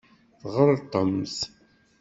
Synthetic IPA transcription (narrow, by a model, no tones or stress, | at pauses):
θʁəɾˤt̪ˤːəmθ